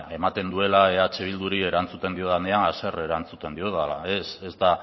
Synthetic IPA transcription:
e̞mat̪e̞nd̪ue̞laeat͡ʃeβ̞ild̪uɾie̞ɾant͡sut̪e̞nd̪io̞ðaneanase̞re̞ɾant͡sut̪e̞nd̪io̞ðalaese̞zt̪a

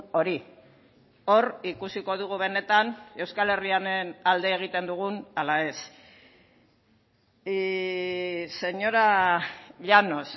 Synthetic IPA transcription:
o̞ɾi | o̞ɾikusiko̞ðuɣ̞uβe̞ne̞t̪ane̞wskale̞rianenald̪e̞ːɣ̞it̪e̞nd̪uɣ̞unalae̞s | se̞ɲo̞ɾa | ʎano̞s

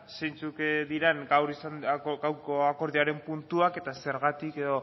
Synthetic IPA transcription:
sejnt͡sukd̪iɾeŋɡawɾisanɡawɾkoako̞ɾðiaɾe̞mpunt̪uake̞t̪ase̞ɾɣat̪ike̞ðo̞

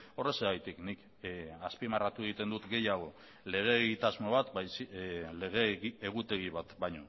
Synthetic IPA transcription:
o̞re̞seɣajt̪iknik | aspimarat̪ue̞ɣ̞it̪e̞nd̪ut̪ɡe̞jaɣ̞o̞ | le̞ɣ̞e̞ːɣit̪azmo̞βat̪bajsileɣeiːɣut̪e̞ɣiβat̪bajɲo

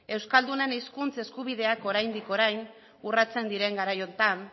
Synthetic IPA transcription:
e̞wskald̪une̞niskunt͡se̞skuβiðe̞ako̞ɾajnd̪iko̞ɾajn | urat͡se̞nd̪iɾe̞ŋɡaɾajo̞nt̪an

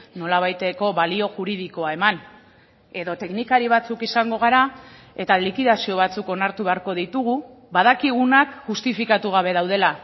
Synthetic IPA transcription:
no̞laβ̞ajt̪e̞ko̞βalio̞ʝuɾiðiko̞ae̞man | e̞ðo̞t̪e̞knikaɾiβat͡sukisaŋɡo̞ɣaɾa | e̞t̪alikiðasio̞β̞at͡suko̞naɾt̪uβe̞aɾko̞ðit̪uɣ̞u | βaðakiɣ̞unakʝust̪ifikat̪uɣaβ̞e̞ðawð̞e̞la

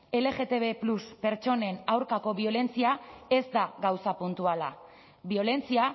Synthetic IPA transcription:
e̞le̞ɣe̞t̪e̞βe̞pluspe̞ɾt͡ʃo̞ne̞nawɾkako̞βio̞le̞nt͡siae̞zd̪aɣawsapunt̪uala | bio̞le̞nt͡sia

